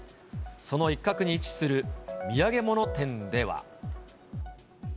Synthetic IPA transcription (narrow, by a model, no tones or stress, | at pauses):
so̞no̞ikːakɯ̟ɲ̟iːt͡ɕi̥sɨɾɯ̟mʲiaɡe̞mo̞no̞t̪ẽ̞nd̪e̞βa̰